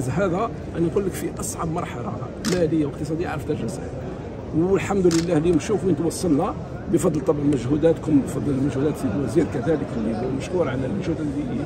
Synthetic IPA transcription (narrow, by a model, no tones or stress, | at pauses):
zɦæd̪æ | ʔæniqulːəkfiʔɑsˤʕɑbmɑɾˤħɑlɑ̰ | mæləjːawəq̚t̪əsˤɑd̪əjaʕɾəft̪æʒəsʕæ̰ | wəlħamd̪ləlːæhlimʃufwint̪wɑsˤːɑlnæ | bəfɑd̪ˤlt̪ˤːɑbʕanməʒhud̪æt̪kʊmbfɑd̪ˤːəlmæʒhud̪æt̪ibwæziɾkæd̪æləkliməʃkuɾʕalælmæʒhud̪lːi